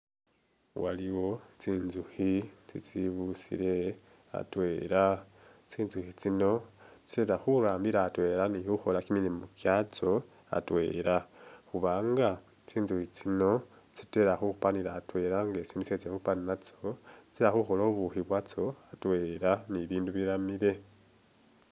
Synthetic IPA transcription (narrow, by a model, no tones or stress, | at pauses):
waliwo̞t͡siːnzuxit͡sḭt͡siβusḭle̞ | a̰twe̞ɾa | t͡siːnzuxit͡sino̞t͡si̥teɾaxuɾaːmbiɾaːtwe̞ɾanihuxo̞lakimilimokjat͡so̞ | a̰twe̞̰ːɾaxuβaːŋɡa | t͡siːnzuhit͡sino̞ | t͡si̥te̞ɾaxuxupaniɾaːtwe̞ɾaŋɡet͡sinuset͡sexupaninat͡soi̥teɾaxuxo̞lo̞βuxiβwat͡so̞atwe̞ɾaniβiːnduβiɾamiɾe̞